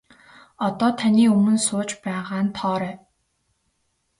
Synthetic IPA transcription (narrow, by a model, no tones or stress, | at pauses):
ɔt̪ɔːt̪ʰaniːɵmɵ̆nsʊːt͡ɕpæːʁaːnt̪ʰɔːɾæː